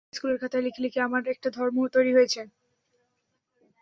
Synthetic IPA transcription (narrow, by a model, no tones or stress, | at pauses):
skuleɾkʰat̪alikʰlikeamaɖek̚ʈad̪ʱɔɾmot̪ojɾiɦojet͡ɕʰe